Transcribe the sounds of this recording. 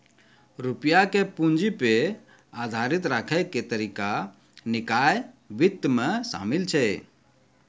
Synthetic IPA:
ɾupjakepund͡ʒipe | ad̪ʱaɾit̪ɾakʰəɪket̪əɾika | nɪkaj | bit̪ːmesa̰milt͡ʃʰɛ

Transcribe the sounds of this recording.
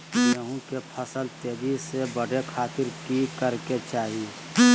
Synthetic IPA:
eɦũkepʰəsəlt̪eːd̪isebəɽekʰaːt̪ɪɾkikəɾket͡ʃaːɦie

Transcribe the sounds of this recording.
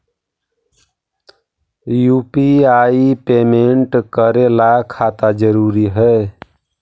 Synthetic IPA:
jupiaipemeɳʈkəɾelakʰat̪ad͡ʒəɾuɾiɦɛ

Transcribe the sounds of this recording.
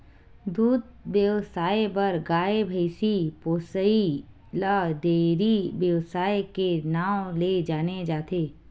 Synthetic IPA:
d̪uːd̪̚bjəʋsaːjebɐɾɡaːebʱəɪsipoːsəi | lad̪eːɾiʋjəwsaːjkenaːwled͡ʒaːned͡ʒaːt̪eː

